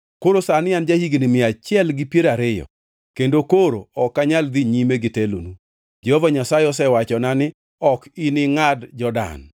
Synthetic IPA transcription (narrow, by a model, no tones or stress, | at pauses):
koɾosanɪand͡ʒahiɡnɪmɪat͡ʃɪɛlɡɪpjeɾaɾɪjɔ̰ | kendokoɾo̰ɔkːaɲald̪iɲimeɡɪtelo̰nu | d͡ʒɛhɔvaɲasaɪɔs̬ɛwat͡ʃɔnanɪ | ɔkinɪŋadd͡ʒɔda̰n